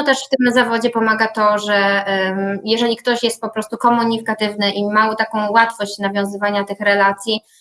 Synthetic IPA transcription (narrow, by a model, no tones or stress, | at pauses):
ɔt̪ɛʂft̪ɘmzavɔd͡ʑɛpɔmaɡat̪ɔʐɛ | jɛʐɛlʲikt̪ɔɕjɛst̪̚pɔpɾɔst̪ukɔmuɲikat̪ɘvnɘʔimaut̪akɔ̃w̃wat̪fɔɕt͡ɕnavʲjɔ̃w̃zɘvaɲat̪ɘxɾɛlat̪sʲji